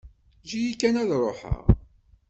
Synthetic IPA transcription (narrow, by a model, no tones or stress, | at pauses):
ʒijikːænæðrˤoħə̰ʁ